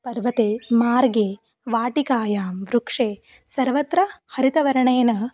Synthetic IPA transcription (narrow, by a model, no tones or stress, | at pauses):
pɐɾʋɐt̪eːmaːɾɡeː | ʋaːʈikaːjaːmʋɾukʂeː | sɐɾʋɐt̪ɾɐhɐɾit̪ɐʋɐɾɐɳɐjɐnɐ